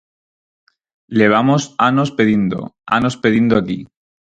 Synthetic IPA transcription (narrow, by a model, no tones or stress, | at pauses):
le̞β̞amosano̞speðind̪o̰a̰no̞speðind̪oaki